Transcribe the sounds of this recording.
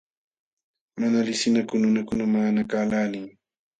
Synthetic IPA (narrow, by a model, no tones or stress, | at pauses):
manalɪsɪnakʊnʊnakʊnamaːnakaːlaːlɪŋ